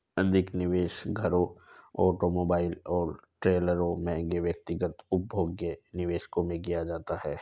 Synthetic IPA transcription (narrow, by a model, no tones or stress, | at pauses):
ɐd̪ʱɪknɪʋeːʃɡʱɐɾõɔ̰ːʈomoːbaːɪlɔːɾʈɾeːləɾõmɛ̃ɡeʋjək̚t̪ɪɡət̪ʊp̚bʱoːɡenɪʋeːʃkõmẽkijad͡ʒaːt̪aɦɛː